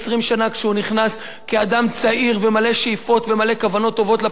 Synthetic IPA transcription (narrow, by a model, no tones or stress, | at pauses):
sʁimʃanakʃeuniχnas | kead̪amt͡saiʁvemale̞ʃeifo̞t̪vemale̞kavano̞t̪ːo̞vo̞t̪la